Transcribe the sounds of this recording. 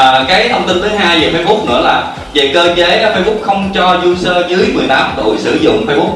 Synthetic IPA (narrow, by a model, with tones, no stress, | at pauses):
əː˨˩kaː˨˦jt̪ʰə˧wŋ͡mt̪i˧nt̪ɨ˨˦ɦaː˧jvi˨˩fəː˧jɓʊ˦˥k͡p̚nɨ̰˧˥əlaː˨˩ | vḭ˨˩kəː˧t͡ɕe˨˦aː˨˦fə˧jɓʊ˦˥k͡p̚xə˧wŋ͡mt͡ɕɔ˧zu˧səː˧zɨ˨˦əjmɨ˨˩əjt̪aː˨˦mt̪ṵ˧˨jsɨ̰˧˩zʊ̰˧˨ŋ͡mfəː˧jɓʊ˦˥k͡p̚